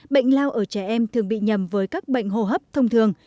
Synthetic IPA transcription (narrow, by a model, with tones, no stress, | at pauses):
ɓə̰˧˨jŋ̟laː˧wʔəː˧˩t͡ɕɛ˧˩ʔɛ˧mt̪ʰɨ˨˩əŋɓḭ˧˨ɲə˨˩mvəː˨˦jkaː˦˥k̚ɓə̰˧˨jŋ̟ɦo˧˩ɦəː˦˥p̚t̪ʰə˧wŋ͡mt̪ʰɨ˨˩əŋ